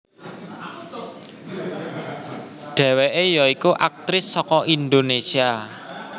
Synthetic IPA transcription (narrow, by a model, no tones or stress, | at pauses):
ɖ̥ɛ̤weʔejɔikuʔak̚t̪ɾɪsːɔkɔʔind̪onesia